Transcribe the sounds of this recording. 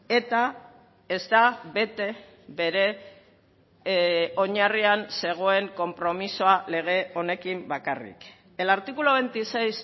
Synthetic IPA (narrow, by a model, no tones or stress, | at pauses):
e̞t̪a | e̞zd̪aβe̞t̪e̞ | βe̞ɾe̞ | o̞ɲarianse̞ɣ̞o̞e̞ŋko̞mpɾo̞misoale̞ɣ̞e̞o̞ne̞kimbakarḭk | e̞laɾt̪ikuloβ̞ejnt̪isejs